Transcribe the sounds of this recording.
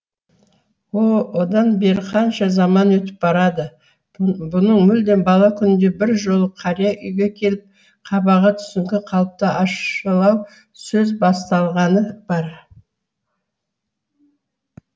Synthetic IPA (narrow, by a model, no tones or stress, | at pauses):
wowod̪ɑnbe̞ɾɪqʰɑnʃɑzɑmɑnwɵt̪ɪ̥p̚bɑɾɑd̪ə | bʊnəɴmʏld̪e̞nbɑlˠɑkʲʰʏnɪnd̪e̞bɪɾʒo̞lˠəqʰɑɾijɑʔʏjɡʲe̞kʲʰe̞lɪp̚ | qʰɑbɑʁɑt̪ʰʏ̥sɪŋkʲɪqʰɑlˠp̚t̪əʔɑʃəlˠɑw | sɵzbɑst̪ɑlˠʁɑnəb̥ɑɾ